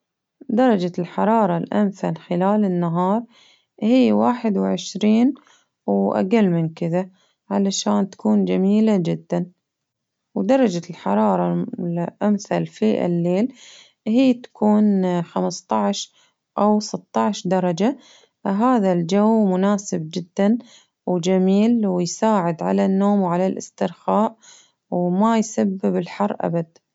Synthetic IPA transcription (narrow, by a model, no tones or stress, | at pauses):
d̪ɑɾˤɑd͡ʒalħɑɾˤɑːɾˤɑlʔa̰mθalxɪlaːlɪnːaɦɑːɾˤ | hijːwaːħɪd̪wʕɪʃɾiːn | wʔa̰qalːmɪnkɪða | ʕalaʃaːnt̪ḁkuːnd͡ʒamiːlad͡ʒɪd̪ːan | wd̪ɑɾˤɑd͡ʒalħɑ̰ɾˤɑːɾˤɑlʔamθalfiʔɪ̰lːeːl | hiːt̪ḁkʰuːnxamst̪ˤɑʕʃ | ʔawsɪt̪ˤːɑʕʃd̪ɑɾˤɑd͡ʒa | ɦaːðald͡ʒawmʊnaːsɪb̚d͡ʒɪd̪ːan | wd͡ʒamiːlwɪjsaːʕɪd̪ʕalanːoːmwʕalalʔɪ̰st̪ɪɾxaːʔ | wmajsabːɪbɪlħɑrˤːʔa̰bad̪̚